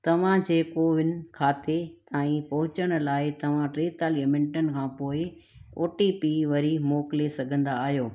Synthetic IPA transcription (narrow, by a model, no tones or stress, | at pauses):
t̪ɐʋ̤ãd͡ʑeːkoʋɪnɪ̆kʰaːt̪et̪aːĩpɐɦʊ̃t͡ɕəɽ̃̆laːɪt̪ɐʋ̤ãʈɾeːt̪aːlɐmɪ̃ɳʈənɪ̆kʰãːpoːɪ | oːʈipiːʋɐɾimoːkɪlesɐɡʱə̃nd̪aːɦijoː